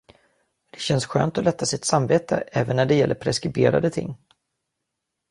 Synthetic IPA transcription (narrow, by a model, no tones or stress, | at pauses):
d̪̥ɛɕɛnsɧø̰ːnt̪ɔlɛt̪ʰːasɪt̪samveːt̪ʰə̰ʔɛːvənːæɖɛjɛlːəɾpʰɾɛskɾɪbḛːɾa̰d̪ət̪ʰɪ̰ŋː